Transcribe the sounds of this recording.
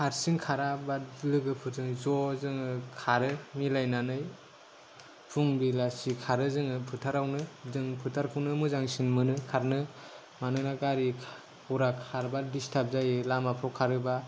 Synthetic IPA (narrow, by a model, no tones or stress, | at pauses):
kʰaɾsiŋkʰaɾabalɯɡɯpʰɯɾzɯŋzɔzɯŋɯkʰaɾɯmilajnanɯj | pʰuŋbilasikʰaɾɯzɯŋɯpʰɯtʰaɾawnɯzɯŋpʰɯtʰaɾkʰɯwnɯmɯzaŋsinmɯnɯkʰaɾnɯ | manɯnaɡaɾi | uɾakʰaɾbadistʰap̚zajɯlamapʰɾɔwkʰaɾɯba